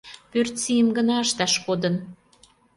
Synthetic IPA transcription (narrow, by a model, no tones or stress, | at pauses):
pørt̪t͡sijəmɡənɑəʃt̪ɑʃkod̪ə̆n